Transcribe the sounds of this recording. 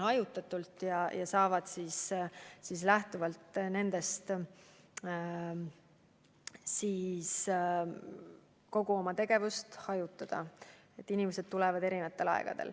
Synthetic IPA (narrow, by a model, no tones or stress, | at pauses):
hɑjut̪ːˑɑt̪ːˑult̪jɑjɑsɑːvɑd̪̥siːssis̬læht̪uvɑlt̪ne̞nd̪̥e̞st̪ | siːs | ko̞ɡ̥uo̞mɑt̪e̞ɡ̥e̞vust̪hɑjut̪ːˑɑd̪̥ɑ | e̞t̪ˑːinʲimese̞d̪̥̚t̪ulɛvɑd̪e̞ɾinɑt̪ˑːe̞lɑ̰ḛɡ̥ɑ̰d̪̥e̞̰l